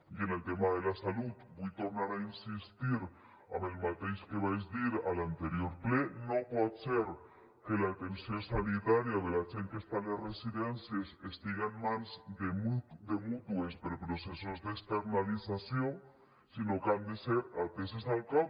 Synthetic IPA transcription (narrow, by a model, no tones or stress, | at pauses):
jenelt̪emaðelasalut̪bojt̪oɾnaɾainsist̪iɾ | a̰βelmat̪ejʃkeβajzðiɾalant̪eɾjoɾplenopwot̪seɾ | kelaːt̪ensjonsanit̪aɾjaβelat͡seŋkest̪anlasresiðensjesest̪iɣanmãnzd̪emud̪emut̪wespeɾpɾosesozðekst̪eɾnalisasjoŋ | sinokand̪eseɾat̪esesalka